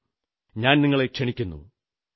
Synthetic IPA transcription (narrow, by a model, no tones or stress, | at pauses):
ɲaːnniŋːɐɭe̞kʂeɳikʲːunːṵ